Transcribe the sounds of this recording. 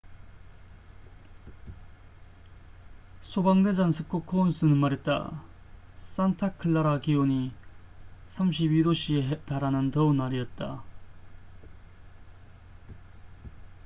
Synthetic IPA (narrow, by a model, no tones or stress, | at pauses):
sʰobaŋded͡ʑansʰɯk͈okʰons͈ɯnɯnmaɾet̚t͈a̰ | s͈antʰakʰɯɭːaɾakioɲi | sʰamɕ̬ʰibidoɕieɦtaɾanɯntʌunaɾiʌt̚t͈a̰